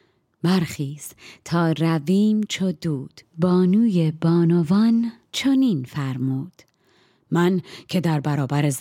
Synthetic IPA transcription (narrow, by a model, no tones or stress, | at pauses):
bæɾxiːz̥t̪ʰɒːɾæviːmt͡ʃʰod̪uːd̪̥bɒːnuːjebɒːnovɒːn | t͡ʃʰoniːnfæɾmuːd̪̥ | mæncʰe̞d̪æɾbæɾɒːbæɾez